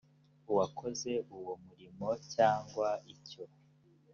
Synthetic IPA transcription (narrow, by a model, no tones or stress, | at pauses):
uwakʰo̞ze̞ʔuwomuɾimo̞caːŋɡwaico̞